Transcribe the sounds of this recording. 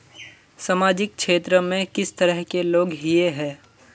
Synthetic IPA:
samaːd͡ʒɪk̚kʃeːt̪ɾəmẽkɪst̪əɾəɦkeloːɡɦieɦɛ̃ː

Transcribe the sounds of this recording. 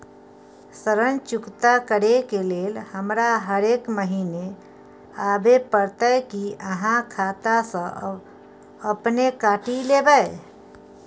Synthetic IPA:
səɾənt͡ʃʊkt̪akəɾekeleːlhəmɾaɦəɾeːkməɦiːne | aːbepəɾt̪əkiəɦãkʰaːt̪asə̃ʔə̰b | əpnekaːʈileːbəe

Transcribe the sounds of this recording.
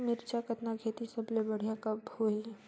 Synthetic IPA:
mɪɾt͡ʃakɐt̪nakʰeːt̪isɐblebɐɽ̤jakɐbhoːi

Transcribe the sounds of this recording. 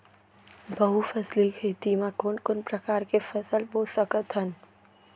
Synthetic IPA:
bəɦufʰɐslikʰeːt̪imãkonkʊnpɾɐkaːɾkefəsəlboːsəkət̪ʰən

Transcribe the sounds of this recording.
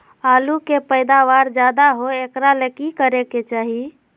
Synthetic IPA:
alukepəjd̪aʋaɾd͡ʒad̪aɦoekɾalekikəɾeket͡ʃaɦi

